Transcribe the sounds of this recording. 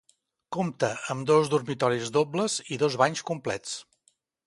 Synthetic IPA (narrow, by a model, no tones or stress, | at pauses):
komt̪əəmd̪ozðurmit̪ɔɾizðobləziðozβaɲskumplɛ̰t͡s